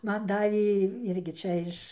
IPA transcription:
ˈmɐn ˈdɑːʋʲeː ˈɪrʲɡʲɪ ˈt͡ʃʲɛ ɪʃ

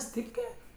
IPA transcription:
ˈsʲtʲiːpʲkʲeː

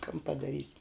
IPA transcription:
kɐn pɐdɐˈrʲiːsʲɪ

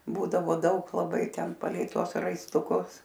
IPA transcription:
ˈbuːdɐʋoː ˈdɐʊk lˠɐˈbɐɪ ˈtʲɛn pɐˈlʲɛɪ ˈtuɔs rɐɪstʊˈkʊs

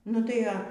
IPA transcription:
nʊ ˈtɐɪ ɐ

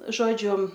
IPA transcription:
ˈʒoːd͡ʒʲʊ

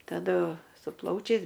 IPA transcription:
tɐˈdʊ sʊ ˈplˠɐʊt͡ʃʲɛɪs

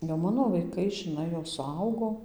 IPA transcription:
jɛʊ ˈmɑːnoː ʋɐɪˈkɐɪ ʒʲɪˈnɐɪ jɛʊ sʊˈɐʊɡoː

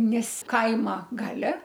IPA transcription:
ˈnʲɛs ˈkɐɪmɐ ˈɡɑːlʲɛ

